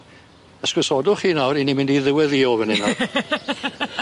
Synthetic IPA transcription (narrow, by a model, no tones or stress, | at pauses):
əskɪsɔdʊχiːnawrinimɪ̃ndiðɪwɛðiːɔvəninaw